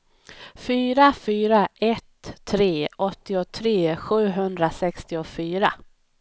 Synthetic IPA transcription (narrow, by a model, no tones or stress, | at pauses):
fyːɾafyːɾaʔɛt̪ʰːɾeːɔt̪ːɪʊt̪ʰɾeːɧʉ̟ːɦɵnd̪ɾasɛkst̪ɪɔfyːɾa̰